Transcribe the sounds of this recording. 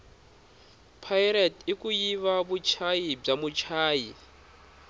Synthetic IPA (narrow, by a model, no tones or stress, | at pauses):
pʰajɾatikujiβaβut͡ʃʰajib͡ʐamut͡ʃʰaːji